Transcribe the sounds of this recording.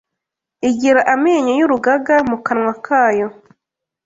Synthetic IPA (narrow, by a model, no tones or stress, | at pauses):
iɟiɾaʔameːɲojuɾuɡaɡamukanwakʰaːjo